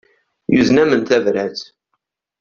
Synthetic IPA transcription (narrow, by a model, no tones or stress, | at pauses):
juznæmənt̪ævɾæt͡s